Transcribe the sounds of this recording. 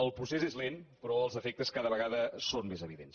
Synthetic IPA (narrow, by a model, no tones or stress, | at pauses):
əlˠpɾusezezlenpɾɔəlˠzəfek̚t̪əskaðəβəɣaðəsonmezəβiðens